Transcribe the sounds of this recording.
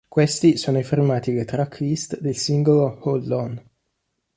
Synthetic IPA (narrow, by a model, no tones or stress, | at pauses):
kwest̪isoːnoifirmaːt̪ilet̪ɾakʰːist̪d̪elsiŋɡoloholːɔn